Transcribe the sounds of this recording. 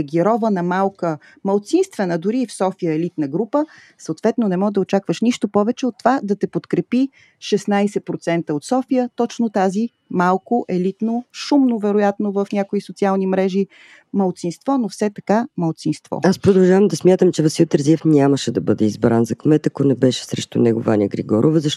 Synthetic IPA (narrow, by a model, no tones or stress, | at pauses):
ɡʲiɾɔvənɐmalˠkə | mɐlˠt̪sinst̪vɛnəd̪ʊɾiːfsɔfijəɛlit̪nəɡɾupə | səot̪vɛt̪nonɛmɔɡd̪ɐot͡ʃakvəʃniʃt̪opɔvɛt͡ʃɛot̪ːovad̪ɐt̪ɛpot̪kɾɛpi | ʃɛsnajsɛpɾot̪sɛnt̪əot̪sɔfiət̪ɔt͡ʃnot̪azi | malˠkoʔɛlit̪noʃumnovɛɾojat̪novəfnʲakoisot̪sialˠnimɾɛʒi | mɐlˠt̪sinst̪vɔnofsɛt̪ɐkaməlˠt̪sinst̪vɔ̰aspɾod̪ɐlˠʒavəmd̪ɐsmʲjat̪əmt͡ʃɛvɐsʲiʊt̪əɾziɛfnʲaməʃɛd̪ɐbɤd̪ɛizbɾanzɐkmɛt̪ɐkonɛbɛʃɛ̥sɾɛʃt̪onɛɡova̰nʲə̰ɡɾḭɡɔɾovəzɐʃ